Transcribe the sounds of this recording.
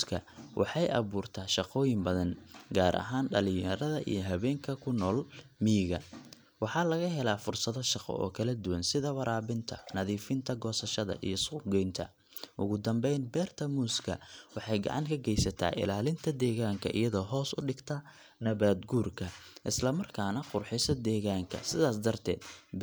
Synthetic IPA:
kʰɐ̰wʔɑ̰ħɑjʔɐ̰βuːrt̪ʰaːʃɑqɔːjɪmbɐðɐnɡaːɾʔɐ̰ɦaːnɖɐlɪjɐɾɐðɐʔḭjɞɦɐβɛːŋkʰɐkʰʊnɔːlmiɣɐ | wɑħɑːlɐɣɐɦɛlaːfʊrsɐðɔʃɑqɔ̰ɔ̰ːkʰɐlɐd̪ʊwɐnsɪðɐwɑɾaːβɪnt̪ʰɐ̰nɐðiːfɪnt̪ʰɐɡɔːsɐʃɐðɐ̰ʔijɞsʊɡɛjnt̪ʰɐ̰ | ʔʊɣʊd̪ɐmbɛjnbɛːrt̪ʰɐmuːskʰɐ̰wɑħɑjɡɑ̰ʕɑ̰ŋkʰɐɡɛjsɐt̪ʰa̰ːʔɪ̰laːlɪnt̪ʰɐd̪ɛːɣaːŋkʰɐʔḭjɐðɔːɦɔːsʊɖɪɡt̪ʰɐ | nɐβaːd̪ɡuːrkʰɐʔɪslɐmɐrkʰaːnɐqʊrħɪsɐd̪ɛːɣaːŋkʰɐ̰sɪðaːsd̪ɐrt̪ʰɛ̰ːd̪

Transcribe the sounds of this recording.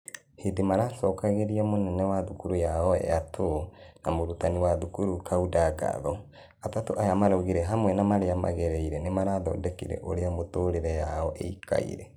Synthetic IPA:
hedemaɾaːsɔːkaɣeɾiamonɛnɛwaðukuɾujaɔɛ̰atʰonamoɾutaniwaðukuɾukʰaudaɡa̰ðɔ | atatoʔajamaɾoɣiɾɛɦamwɛnamaɾeama̰ɣɛɾɛiɾɛnemaɾaːðɔ̰dɛkḭɾɛ̰ʔoɾeamotoːɾeɾɛjaɔʔḛika̰ḭɾɛ

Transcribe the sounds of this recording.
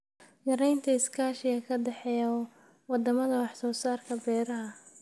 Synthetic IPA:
jɐɾɛjnt̪ʰɐɪskʰaːʃɪɣɐkʰɐd̪ɛħɛjɐ | wɑd̪ɐmɐðɐwɑħsɔːsaːrkʰɐbɛːɾɐɦɐ

